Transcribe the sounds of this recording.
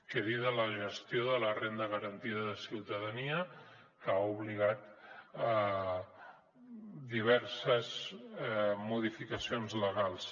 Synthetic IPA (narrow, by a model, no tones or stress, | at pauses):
kəɾiðələʒəst̪joðələrend̪əɣəɾənt̪iðəðəsiwt̪əðəniə | kauβliɣat̪ə | d̪iβ̞ɛɾsəz | muðifikəsionzləɣalˠs